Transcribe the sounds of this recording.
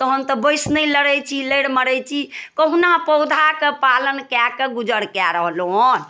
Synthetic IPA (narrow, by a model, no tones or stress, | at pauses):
t̪ɔɦəmt̪ɔbəjsnəjləɽɛjt͡ʃʰiləjɽməɾɛjt͡ʃʰikəɦunapɔd̪ʱakepalənkakeɡud͡ʒəɽkaɾəɦlon